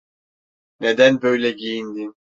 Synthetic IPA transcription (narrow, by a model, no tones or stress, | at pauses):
ned̪ænbø̞jlʲɛɟijind̪in